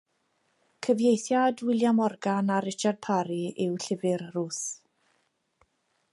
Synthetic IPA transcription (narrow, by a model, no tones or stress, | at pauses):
kʰəvjejθjadwɪlˠjamɔrɡanaɾɪt͡ʃard̚pʰaɾiɪwɬɪvɪrruːθ